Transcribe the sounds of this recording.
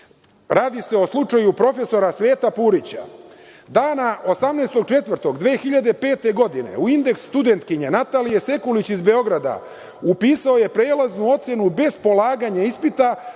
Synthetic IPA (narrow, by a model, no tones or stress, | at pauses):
ɾaːd̪ise̞o̞slˠut͡ʂajupɾo̞fe̞so̞ɾasʋe̞ːt̪apuːɾit͡ɕa̰d̪aːnaʔo̞samneːst̪o̞ɡ̚t͡ʃe̞t̪ʋr̩t̪o̞ɡd̪ʋeːxiʎad̪e̞pe̞ːt̪e̞ɡo̞d̪ine̞̰uind̪e̞ksst̪ud̪ent̪kiɲenat̪alijese̞kulit͡ɕizbeo̞ɡɾad̪a̰ | upiːsao̞je̞pɾe̞ːlaznuo̞t̪se̞nube̞zpo̞laːɡaɲaispit̪a